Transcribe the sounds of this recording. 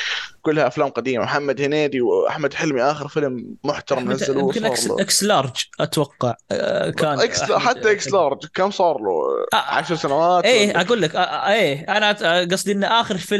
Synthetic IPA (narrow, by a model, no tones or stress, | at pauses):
kʊlːhaʔaflaːmqɑd̪iːmamħamːad̪hɪneːd̪iwʔa̰ħmad̪ħɪlmiʔaːxɪɾfɪlmːʊħt̪ɑɾˤɑmnazːalmkɪnʔɾ̰ʔɪkslɑɾˤd͡ʒʔat̪wɑqːɑʕkaːnɪksħat̪ːaʔɪkslɑɾˤd͡ʒkamːsˤɑːɾˤlṵʕa̰ʃɾˤsanawaːeːʔaɡuːlːakʔaeːʔanaɡɑsˤd̪iʔɪnːʔaːxɪɾfɪl